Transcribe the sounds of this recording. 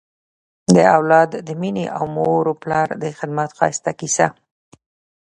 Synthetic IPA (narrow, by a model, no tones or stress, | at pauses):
d̪əawlɑd̪ːəmineʔawmoɾoplɑɾd̪əxɪd̪mat̪qɑ̰st̪akisa